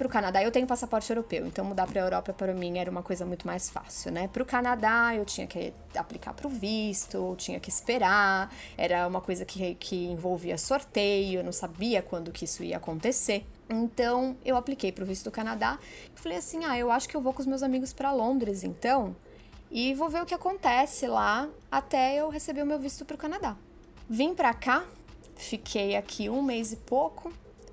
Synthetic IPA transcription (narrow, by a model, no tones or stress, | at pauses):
pɾʊkanad̪aewt̪ẽɲʊpasapɔɾt͡ʃɪewɾopewḛ̃nt̪ɐ̃w̃mud̪apɾɐewɾɔpɐpaɾɐmĩɛɾɐũmɐkojzɐmũj̃t̪ʊmajsfa̰siwnɛpɾʊkanad̪aewt͡ʃĩɲɐkɪ | a̰plika̰pɾʊvist̪ʊt͡ʃĩɲɐkɪspeɾaɛ̰ɾɐũmɐkojzɐkʰɪkʰɪẽvowviɐsoɾt̪ejʊewnɐ̃w̃sabiɐkwɐ̃nd̪ʊkɪisʊḭɐ̰ːkõnt̪ese | ẽnt̪ɐ̃w̃ewaplikejpɾʊvist̪ʊd̪ʊkanad̪aɪfalejasĩaewaʃʊ̥kɪewvowkõʊzmewzamiɡʊspɾɐlõnd̪ɾɪzḛ̃nt̪ɐ̃w̃ | ɪvowveɾʊkɪakõnt̪ɛsɪla | at̪ɛewɦesebiʊmewvist̪ʊpɾʊkanad̪a | vĩpɾaka | fikʰejakʰiũmejzɪpokʰʊ